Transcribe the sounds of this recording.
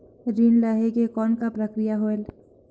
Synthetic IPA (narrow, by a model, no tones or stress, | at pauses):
ɾiːnlaːɦekekɔːnkapɾəkɾijaɦoːel